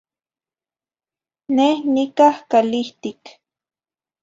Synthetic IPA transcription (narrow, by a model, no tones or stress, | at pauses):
nehnikahkaliht̪ik